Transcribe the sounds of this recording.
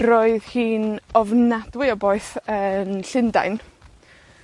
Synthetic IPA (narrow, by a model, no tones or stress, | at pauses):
roːɨðhiːnɔvnadwɪɔboɨθənɬɪnda̰jn